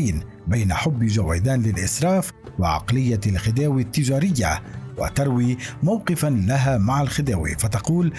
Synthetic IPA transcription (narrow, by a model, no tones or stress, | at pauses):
n | bajnaħʊbːʒawajd̪aːnlɪlʔɪsɾˤɑːf | wɑʕɑ̰qlɪjːalxɪd̪aːwit̪ːɪd͡ʒaːɾɪjːawa̰t̪ɑɾˤwiːmawqɨfalaɦaːmaʕalxɪd̪aːwḭfat̪ɑquːl